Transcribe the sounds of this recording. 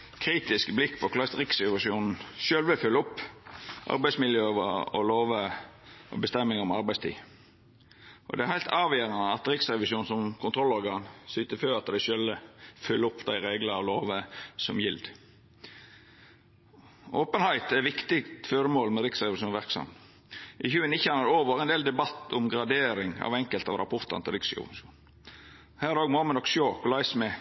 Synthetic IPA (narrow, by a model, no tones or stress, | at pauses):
kʰɾiːt̪ɪskblɪkːpʰɔkʰlɑst̪ɾɪksɾɛʋɑʂuːnn̩ʃøːlʋəfʉlːɔpːʔɑ̰ɾbæɪsmɪljøːʋəɔ̰loːʋəʔɔ̰bəst̪ɛmːɪŋɔmɑɾbæɪst̪ʰḭː | ʔɔ̰d̪ɛæɾhæɪlt̪ʰɑːʋjeːɾɑnəɑt̪ɾɪksɾɛʋɪʃuːn̩sɔmkʰʊnt̪ʰɾɔlːɔɾɡɑːnsʏt̪əføːɾɑt̪d̪æɪʃølʋəfʉlːɔpːd̪æɪɾeːɡləɑloːʋəsɔmjɪld̪ | ʔoːpənhæɪt̪æɾʋɪkt̪ɪɡt̪fɔɾəmoːlmɛɾɪksɾɛʋɪʃuːnʋæɾksɑ̰m | ʔɪçʉːənɪçəɑnɑd̪oːʋəɾɛnd̪eːld̪ɛbɑt̪ːʊmɡɾɑd̪eːɾɪŋɑ̰ʋɛŋkəlt̪ɑ̰ʋɾɑ̰pʰɔɾt̪ɑ̰nt̪ʰɪlɾɪksʊ̰ʋ̰ʃṵːn | hæːɾæɾoːɡmoːmɛnɔkːʃjoːkɔlɑɪsmɛ